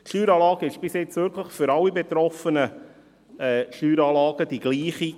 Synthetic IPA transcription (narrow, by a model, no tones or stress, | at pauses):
tʃyːɾɑːlɑːɡ̥əɪʃb̥ɪsjɛt͡sʋʏɾkləχfʏɾɑlːibɛt̪ɾɔfənə | ɛːʃyːɾɑːlɑːɡ̥əd̥iɡ̥liːχi